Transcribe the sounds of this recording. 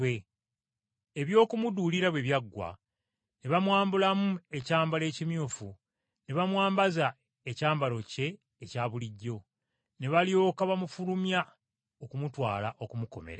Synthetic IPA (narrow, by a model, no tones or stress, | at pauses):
we | eβjo̞ːkumuduliɾaβweβjaɡːwa̰ | ne̞βamwaːmbulamue̞caːmbale̞ːcimjuːfu | ne̞βamwaːmbaza | ecaːmbalo̞ce̞ː | caːβuliɟːo̞ | ne̞βalio̞ːkaβamufulumja | okumutwa̰ːlaʔo̞kumuko̞̰mḛɾa